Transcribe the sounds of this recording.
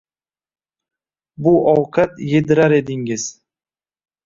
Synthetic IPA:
bʊʔɒwqʰɑt̪jed̪ɪɾaɾe̞d̪ɪŋɪz̥

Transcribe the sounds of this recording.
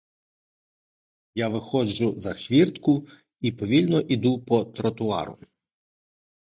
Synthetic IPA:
jaʋɪxɔd͡ʒʊzɐxʋʲirt̪kʊ | ipɔʋʲilʲnɔʔid̪upɔt̪ɾɔt̪ʊɑ̰ɾʊ̰

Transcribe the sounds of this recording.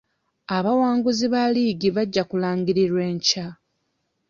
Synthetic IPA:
aβawaːŋɡuziβaliːɡiβaɟːakulaːŋɡiɾiɾwe̞ːɲca

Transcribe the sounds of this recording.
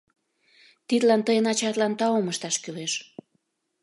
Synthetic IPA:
t̪id̪lɑnt̪əjənɑt͡ɕɑt̪lɑnt̪ɑoməʃt̪ɑʃkyleʃ

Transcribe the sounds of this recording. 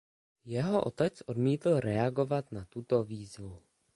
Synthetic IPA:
jɛɦo̞ʔot̪ɛt͡sʔo̞dmiːt̪l̩ɾɛaɡo̞vat̪nat̪ut̪oviːzvu

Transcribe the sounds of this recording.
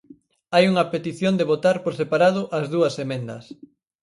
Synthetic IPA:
ajuŋɐpet̪iθjond̪eβot̪aɾpoɾsepaɾað̞ʊʔɐzðuɐsemẽnd̪ɐ̰s

